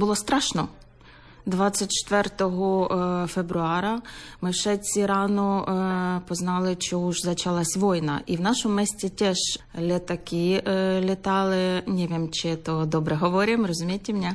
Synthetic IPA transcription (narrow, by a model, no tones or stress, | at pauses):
bʊlˠɔst̪ɾɑʃnɔ | d̪ʋɑt͡sʲːɐt̚ʲt͡ʃt̪ʋɛrt̪ɔɦɔfebɾʊɑɾɐmɪwʃɛt͡sʲiɾɑnɔ | pɔznɑlˠɪt͡ʃɔuʒzɐt͡ʃɐlˠɑsʲʋɔjnɐ̰ʔiwnɑʃɔʊmɛsʲtʲit̪ɛʒlʲet̪ɐkɪlʲɪt̪ɑlˠɪnʲɛʋʲemt͡ʃɪt̪ɔd̪ɔbɾɛɦɔʋɔɾʲɪmrɔzʊmʲijtʲɪmnʲɛ